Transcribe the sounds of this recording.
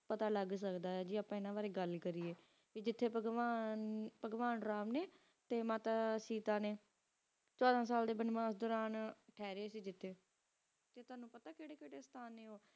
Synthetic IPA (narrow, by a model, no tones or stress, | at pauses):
pət̪aːləɡs̬əkd̪aːɛːd͡ʒiːaːpãːɪnãːʋaːɾeːɡəlkəɾiːeː | ʋiːd͡ʒɪt̪ʰːeːpəɡaːpəɡʋaːnɾaːmneː | t̪eːmaːt̪aːsiːt̪aːneː | t͡ʃɔːd̪ãːsaːld̪eːbənʋãːsd̪ɔːɾaːnʈʰɛːɾeeːsiːd͡ʒɪt̪ʰːeː | t̪eːt̪ʊaːnũːpət̪aːkeːɽeːkeːɽeːst̪ʰaːnːeːɦoː